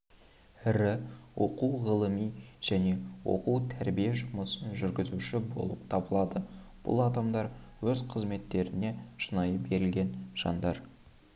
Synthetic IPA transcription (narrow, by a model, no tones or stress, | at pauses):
ɪɾɪwo̞̰quʁəlˠəmijʒ̥æne̞wo̞̰quwt̪ʰæɾbijeʒʊməsənʒʏɾɡʲɪzuʃɪbo̞̰lˠəpt̪ʰɑbəlˠɑd̪ə | b̥ʊ̰lˠɑd̪ɑmd̪ɑɾwɵzqʰəzme̞t̪ːe̞ɾɪne̞ʃənɑjəbe̞ɾɪlɡʲe̞nʒ̥ɑ̰nd̪ɑɾ